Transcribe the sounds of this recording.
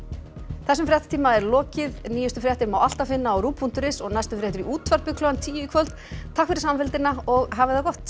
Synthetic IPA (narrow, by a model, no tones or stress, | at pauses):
θɛs̬ːʏmfɾjaht̪ḁt̪ʰiːmaɛɾlɔːcɪðniːjʏst̪ʏfɾjaht̪ɪɾmawal̥t̪afɪnːaɔwɾuːpʰun̥t̪ʏɾɪsɔɣnajst̪ʏfɾjaht̪ʏɾiʔuːt̪ʰvaɾpʏkʰlœant̪ʰiːjikʰvœlt̪ | t̪ʰakfɪɾɪsaːmfɪlt̪ɪnːaɔɣɦaːvɪðawkɔht̪